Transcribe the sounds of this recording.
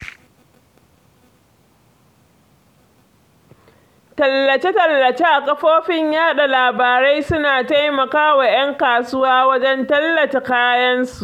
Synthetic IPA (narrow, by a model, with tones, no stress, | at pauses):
tɐ˨lːɐ˨t͡ʃe˦tɐ˨lːɐ˨t͡ʃe˦ʔa˨kʼɐ˦ɸoː˦ɸɪ˦ɲjaː˦ɗa˨laː˨baː˨ɾa˦jsʊ˦naː˨ta˦jmɐ˨kaː˦wa˨j̰ɐ˦ŋkaː˨sʊ˦waː˦wɐ˦d͡ʒɛ˦ntɐ˦lːɐ˨t͡ʃe˨kaː˦jɐ˦nsu˨ʔ